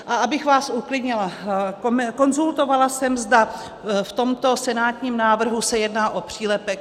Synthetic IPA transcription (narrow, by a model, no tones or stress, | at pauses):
ʔaabɪxvaːsʔuklɪdɲɪlakomko̞nzult̪o̞valasɛmzd̪a | ft̪o̞mt̪o̞sɛnaːt̪ɲiːmnaːvr̩ɦusɛjɛdnaːʔo̞pr̝̥iːlɛpɛk